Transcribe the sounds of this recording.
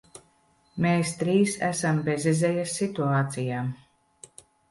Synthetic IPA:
meːst̪ɾiːsæ̰sambezʲɛzɛjasːit̪uaːt̪sijaːm

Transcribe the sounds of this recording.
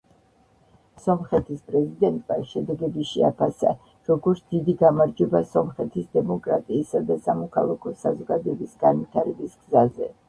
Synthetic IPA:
sɔmχɛt̪ʰispʼɾɛzid̪ɛnt̪ʼmaʃɛd̪ɛɡɛbiʃɛapʰasa̰ | ɾɔɡɔɾt̪sʰd̪̥id̪iɡamaɾd͡ʒɛbasɔmχɛt̪ʰisd̪ɛmɔkʼɾat̪ʼiːsad̪asamɔkʰa̰lˠakʰɔsazɔɡad̪ɔɛbisɡ̥anvit̪ʰaɾɛbisɡ̥zazɛ

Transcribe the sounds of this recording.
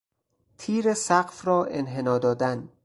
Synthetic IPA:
t̪ʰiːɾesæɢfrɒːʔenɦenɒːd̪ɒːd̪æn

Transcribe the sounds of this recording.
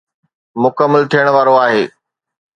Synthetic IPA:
mʊkəmːəlt̪ʰijəɽ̃ʋaːɾoaːɦeː

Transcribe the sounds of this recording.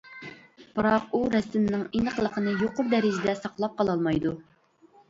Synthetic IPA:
b̥ɨɾɑquɾɛsɪmnɪŋinəqlˠəqʰənɨjoqʊɾd̪ɛɾɪd͡ʒɪd̪ɛsɑqlˠɑp̚qɑlˠɑlˠmɑjd̪u

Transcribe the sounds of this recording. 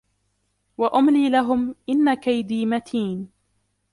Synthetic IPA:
waʔʊmliːlaɦʊmʔɪnːakajd̪iːmat̪ʰiːn

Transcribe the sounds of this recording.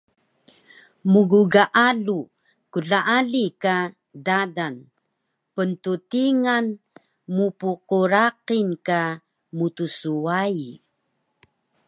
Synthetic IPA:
muɡuɡaʔalu | kuɮaʔaɮika | dadan | pəntutiŋan | mupuquɾaqinka | mutusuai

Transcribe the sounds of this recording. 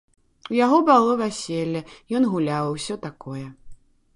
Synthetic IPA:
ujaɣɔbalˠɔvʲasʲelʲːɐjɔnɣulʲawɐwsʲɔt̪akɔjɛ

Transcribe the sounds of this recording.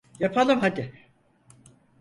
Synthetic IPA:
japʰalˠɯmɦad̪ɪ

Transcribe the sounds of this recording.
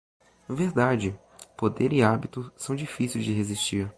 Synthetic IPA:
veɾd̪ad͡ʒɪ | pod̪eɾɪabit̪ʊsɐ̃w̃d͡ʒifisiwzd͡ʒɪɦezist͡ʃiɾ

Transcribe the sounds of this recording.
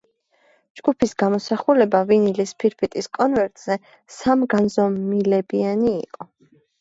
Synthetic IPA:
d͡ʒɡ̥upʰisɡamɔsaχulɛbavinilispʰiɾpʰit̪ʼiskʼɔnvɛɾt̪ʼz̥ɛ | samɡanzɔmilɛbianḭːqʼɔ

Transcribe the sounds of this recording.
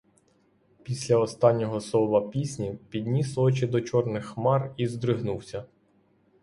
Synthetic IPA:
pʲisʲlʲɐɔst̪ɑnʲːɔɦɔsɔʋɐpʲisʲnʲipʲid̪ʲnʲisɔt͡ʃɪd̪ɔt͡ʃɔrnɪxːmɑrizd̪ɾɪɦnuwsʲɐ

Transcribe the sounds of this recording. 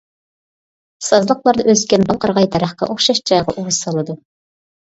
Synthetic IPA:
sɑzlˠəqlˠɑɾd̪ɑʔøskʲɛnbɑlˠqɑɾʁɑjt̪ʰæɾæχqɑ̰ʔoχʃɑʃd͡ʒɑjʁɑ̰ʔuwʊz̥sɑlˠɨd̪u

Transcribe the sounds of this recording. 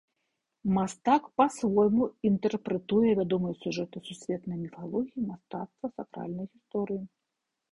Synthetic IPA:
mast̪akpasvɔjmuint̪ɛrpɾɛt̪ujɛvʲad̪ɔmɨjɐsʲuʐɛt̪ɨsusʲvʲɛt̪nɐjmʲifalˠɔɣʲijimast̪at̪st̪vɐsakɾa̰lʲnɐjɣʲist̪ɔɾɨji

